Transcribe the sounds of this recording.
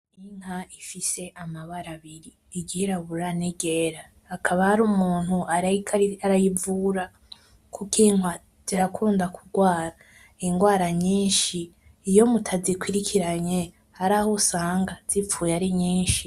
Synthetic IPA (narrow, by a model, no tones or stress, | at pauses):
iŋ̥haifise̞ʔamaβaɾaβiɾi | iɡiɾaβuɾaneɡeɾaː | kʰaβahaɾumuːn̥huʔaaɾajivuɾa | kʰukiŋwa | z̥iɾakʰuːndakʰuɡwaːɾa | iŋɡwaːɾaɲiːnʃiː | jo̞mutʰazikwiɾikʰiɾaɲe | haɾahosaːŋɡaz̥ipfuːjaɾiɲiːnʃi